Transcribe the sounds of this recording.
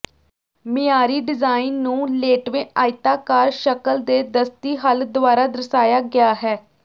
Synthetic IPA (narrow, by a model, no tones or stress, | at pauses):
mɪjaːɾiːɖɪzaːɪnːũːleːʈʋẽːaːɪt̪aːkaːɾʃəkəld̪eːd̪əst̪iːɦəld̪ʊaːɾaːd̪əɾsaːjaːɡɪjaːɦɛː